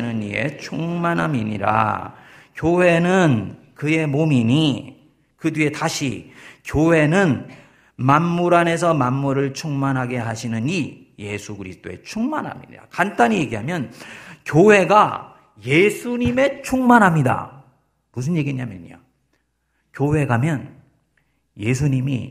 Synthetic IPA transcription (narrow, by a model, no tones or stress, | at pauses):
nɯnḭe̞̰t͡ɕʰuŋmanɦa̰miɲḭɾa̰ | kjoɦe̞nɯn | kɯje̞momiɲi | kɯdwie̞taɕʰḭkjowe̞nɯn | manmuɾane̞s̬ʰʌmanːuɾɯɭt͡ɕʰuŋmanɦaɡe̞ɦaɕʰinɯni | je̞sʰukɯɾisʰɯ̥t͈oe̞̰t͡ɕʰuŋmanɦa̰mɲḭda̰kant͈aɲije̞ɡiɦamjʌnkjoɦe̞ɡa | je̞sʰuɲime̞t͡ɕʰuŋmanɦamɲida̰ | mus̬ʰɯnje̞ɡieɲamjeɲo̰ | kjowe̞ɡamjʌn | je̞s̬ʰuɲimḭ